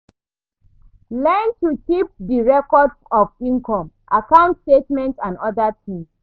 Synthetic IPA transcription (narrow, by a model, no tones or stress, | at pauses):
lɛ̃ntukip̚diɹɛkɔdsɔfĩnkɔ̃m | ʔakãʊ̃ntstetmɛ̃ntãnɔdatʰĩms